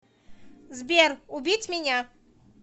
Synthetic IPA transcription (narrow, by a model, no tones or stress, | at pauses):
zbʲɛɾubʲit͡sʲmʲenʲa